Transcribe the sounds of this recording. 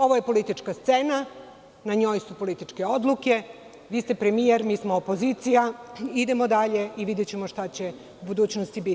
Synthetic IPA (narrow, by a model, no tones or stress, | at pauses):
o̞ʋoje̞po̞lit̪it͡ʃkast̪sena | naɲo̞jsupo̞lit̪it͡ʃke̞od̪lˠuke̞ | ʋiːst̪epɾe̞mijeɾmiːsmoopo̞zit̪sijaid̪e̞mo̞d̪aʎe̞iʋid̪et͡ɕe̞mo̞ʃt̪at͡ɕe̞ | ubud̪uːt͡ɕnost̪ibit̪i